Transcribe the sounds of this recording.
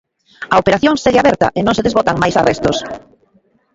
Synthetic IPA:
ɐopeɾaθjoŋseɣeaβɛɾt̪ɐ̰ʔenõŋseðezβot̪aŋmajsa̰rɛst̪os

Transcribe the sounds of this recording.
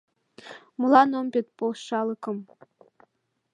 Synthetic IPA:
mulˠɑnombʲet̪̚polʃɑlˠɤ̆kɤ̆m

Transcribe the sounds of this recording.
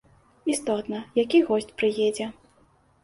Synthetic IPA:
ist̪ɔt̪nɐjakʲiɣɔsʲt͡sʲpɾɨjɛd͡zʲɛ

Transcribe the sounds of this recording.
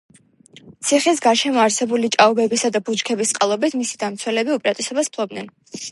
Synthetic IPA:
t̪sʰiχis̬ɡaɾʃɛmɔaɾsɛbulit͡ʃʼaubɛbisad̪abut͡ʃkʰɛbist̪sʼqʼalˠɔbit̪ʰmisid̪amt̪sʰwɛlɛbiupʼɾat̪ʼisɔbaspʰlˠɔb̚nɛn

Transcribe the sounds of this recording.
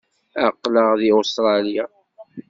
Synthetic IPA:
aqːləʁðiust̪ɾˤɑlja

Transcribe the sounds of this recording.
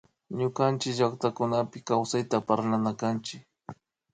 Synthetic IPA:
ɲʊkant͡ʃɪkʒakt̪akʊnapɪkawsajt̪apaɾlanakant͡ʃɪk

